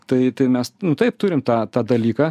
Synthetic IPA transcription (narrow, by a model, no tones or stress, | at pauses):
t̪ɐɪt̪ɐɪmʲɛsnʊt̪ɐɪp̚t̪ʊɾʲɪmt̪ɑːt̪ɑːd̪ɐlʲiːkɑː